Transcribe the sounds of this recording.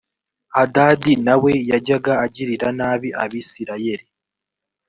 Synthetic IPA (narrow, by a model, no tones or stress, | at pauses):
adaːdinawe̞jaɟaɡaːɟiɾiɾanaːβiʔaβisiɾaje̞ɾi